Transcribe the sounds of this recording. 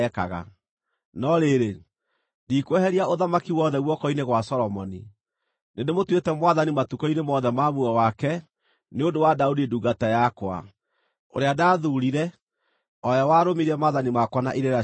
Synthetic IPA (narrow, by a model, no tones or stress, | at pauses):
ɛka̰ɣa̰ | nɔɾeɾe | dikwɛhɛɾiaoðamakiwɔðɛɣwɔkɔineɣwasɔɾɔmɔni | nendemotwetɛmwaðanimatukɔinemɔðɛmamuɔwakɛ | neodowadaudiduːɡatajakwa̰ | o̰ɾeadaːðuɾiɾɛ | ɔjawaːɾomiɾiɛmaðanimakwana̰ʔiɾea